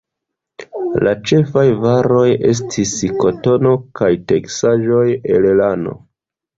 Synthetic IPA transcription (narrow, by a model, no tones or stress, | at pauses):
lat͡ʃe̞fajvaɾo̞je̞s̬tʰisko̞to̞no̞kajte̞ksaʒo̞jelelano̞̰